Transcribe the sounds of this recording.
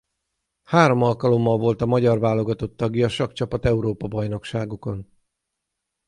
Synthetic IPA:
haːɾo̞mɒlkɒlo̞mːɒlvo̞lt̪ɒmɒɟɒrvaːlo̞ɡɒt̪o̞t̪ːɒɡjɒʃɒkt͡ʃɒpɒt̪ɛuɾoːpɒbɒjno̞kʃaːɡoko̞n

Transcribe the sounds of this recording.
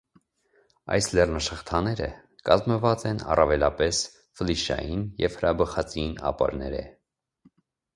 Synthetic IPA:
ɑ̰jslɛrnɑʃəχt̪ʰɑnɛɾə̰ | kɑzməvɑt͡sɛnɑ̰rɑvɛlɑpɛs | fəliʃɑ̰jinjɛv̥həɾɑbəχɑt͡siinɑ̰pɑ̰ɾnɛɾɛ̰

